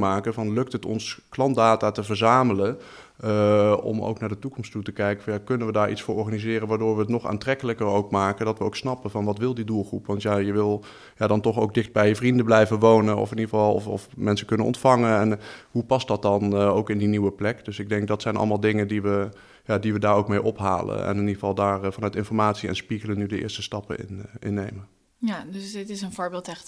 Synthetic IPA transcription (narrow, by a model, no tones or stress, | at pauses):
maːkəvɑnlɵk̚tɦətɔ̰nsklɑntdaːtaːtəvəɹzaːmələ | ɔ̰mo̰wknaːɹdətukɔmstutəkɛjkəvɑnjaːkɵnənʋədaːɹʔitsfʊːɹɔɹχaːnizɪːrənʋaːɹdʊːɹʋəətnɔχa̰ːntrɛkələkərowkmaːkəndɑtʋəowksnɑpəvɑnʋɑtʋɪlˠdidulˠχrupʋɑntjajəʋɪlˠ | jaːdɑntɔχowk̚dɪχd̚bɛjvrindənblɛjvəʋownənʔɔ̰fɪniχəvɑlˠɔ̰fɔ̰fmɛnsəkɵnənɔ̰ntfɑŋənɛnɦupɑst̚dɑt̚dɑnowkɪndiniwəplɛkd̥ɵsɪɡ̚dɛŋk̚dɑtsɛjnʔɑ̰lˠmaːlˠdɪŋəndiʋə | jaːdiʋədaːɹowkmejʔɔpɦa̰ːlə̰nɛ̰nɪniχəvɑlˠdaːɹfɑnœɥtɪnfɔɹmaːtsiɛ̰nspiχələnydəʔɪ̰ːɹstəstɑpəɪ̰nʔɪ̰nːejmən | jadsdɪtɪsənvoːɹbɪːlˠtɛ